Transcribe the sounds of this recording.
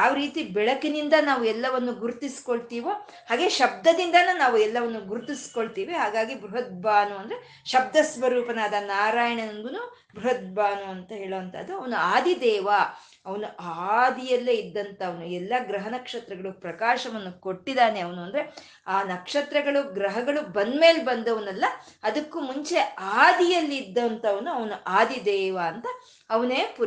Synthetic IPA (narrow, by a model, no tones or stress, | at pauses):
jaːʋɐɾiːt̪ibɛɭɐkinind̪ɐnaːʋuɛlːɐʋɐnːuɡuɾt̪isi̥ko̞ɭt̪iːʋo | haːɡe̞ːʃɐb̚d̪ɐd̪ind̪ɐnunaːʋuɛlːɐʋɐnːuɡuɾt̪isi̥ko̞ɭt̪iːʋiɦaːɡaːɡibɾuɦɐt̪̚baːnuɐnd̪ɐɾe | ʃɐb̚d̪ɐsʋɐɾuːpɐnaːd̪ɐnaːɾaːjɐɳɐnɐnɡ̪unu | bɾuɦɐt̪̚baːnuɐnt̪ɐɦe̞ːɭoːɐnt̪ʰɐd̪ːuɐʋɐnuaːd̪id̪ɛːʋɐ | ɐʋɐnuʔaːd̪ijɐlːeid̪ːɐnt̪ɐɐʋɐnuɛlːɐɡɾɐɦɐnɐkʂɐt̪ɾɐɡɐɭupɾɐkaːʃɐʋɐnːuko̞ʈːid̪aːneɐʋɐnuɐnd̪ɐɾe̞ | aːnɐkʂɐt̪ɾɐɡɐɭuɡɾɐɦɐɡɐɭubɐnd̪me̞ːlbɐnd̪ɐʋɐnɐlːɐɐd̪ɐkːumuɲt͡ʃe̞ʔaːd̪ijɐlːiːd̪ːɐnt̪ɐɐʋɐnuɐʋɐnuʔaːd̪id̪ɛːʋaɐnt̪ɐ | ɐʋɐneːpu